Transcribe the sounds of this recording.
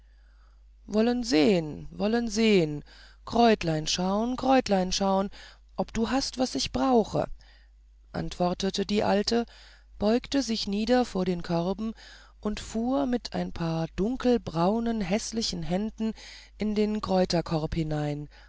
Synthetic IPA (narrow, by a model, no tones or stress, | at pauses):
vɔlənzeːənvɔlənzeːən | kʁ̥ɔʏtlaɪnʃaʊənkʁ̥ɔʏtlaɪnʃaʊən | ʔɔpd̥uːɦastv̥asɪçb̥ʁaʊxə̰ | ʔa̰ntv̥ɔɐtətədiːʔa̰ltʰə | b̥ɔʏktəzɪçniːdɐfoːɐɾeːnkʰœʁbm̩ | ʔʊntfuːɐmɪtʰʔa̰ɪnpʰaːɐd̥ʊŋkl̩bʁaʊnənɦɛslɪçn̩ɦɛndn̩ | ʔɪndeːnkʁ̥ɔʏtɐkʰɔʁphɪnaɪn